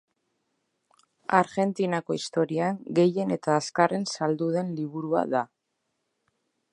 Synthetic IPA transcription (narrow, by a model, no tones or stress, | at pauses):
aɾɣe̞nt̪inako̞ist̪o̞ɾiaŋɡe̞je̞ne̞t̪aːskare̞nsald̪uðe̞nliβ̞uɾua̰ða